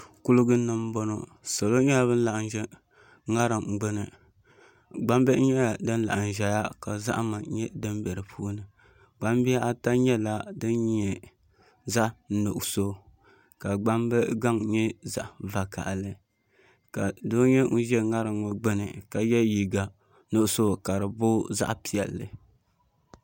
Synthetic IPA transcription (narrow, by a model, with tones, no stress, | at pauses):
kʊ˦lʊ˦ɡɨ˦nɨ˦m˦bɔ˦no̰˨ | sa˨lo˦ɲɛ˦a˦βɨ˦n̩˦la˨ʔn˦ʒɛ˦ | ŋa˦ɾɨ˨mɡ͡bɨ˦nɨ˨ | ɡ͡ba˦m˦bɛ˦ʔɲɛ˦˨dɨ˦n˦la̰˨ʔa˨n˨ʒɛ˨ja˦ka˨za̰˦ʔma˨˦ɲɛ˦dɨ˦mbɛ˨ɾɨ˨pʰu˦nɨ˨ | ɡ͡ba˦mbi˦a˦ʔa˦ta˦ɲɛ˦la˦dɨ˦nɲ˦ɛ˨ | za˦ʔno˨ʔso˦ | ka˨ɡ͡ba˦mbɛ˦ɡa˦ŋ˦ɲɛ˦za̰˦ʔva˨ka̰˨ʔlɨ˨ | ka˨do˦ɲɛ˦ŋ̩˦ʒɛ˦ŋa˦ɾɨ˨ŋo˨ɡ͡bɨ˦nɨ̰˨ka˨jɛ˦ji˨ɡa˨ | no˨ʔʊ˨so˦˨ka˨ɾɨ˨bʊ˦za̰˦ʔpi˨ɛ˨lːɨ̰˨